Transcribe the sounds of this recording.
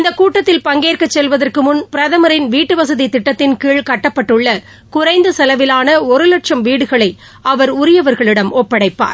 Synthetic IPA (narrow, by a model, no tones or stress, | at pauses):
ɪnd̪ɐkːuːʈːɐt̪ːɪlpɐŋɡeːrkɐt͡ʃːɛlʋɐðɐrkɯmʊnpɪɾɐðɐmɐɾɪnʋiːʈːɯʋɐsɐðit̪ɪʈːɐt̪ːɪnkiːɭkɐʈːɐpːɐʈːɯɭːɐ | kʊɾɐɪnd̪ɯsɐlɐʋɪlaːnɐɔɾɯlɐʈʂɐmʋiːɽɯɣɐɭɐɪ | ɐʋɐɾʊɾɪjɐʋɐɾɣɐɭɪɽɐmʔɔpːɐɽɐɪpːa̰ːɾ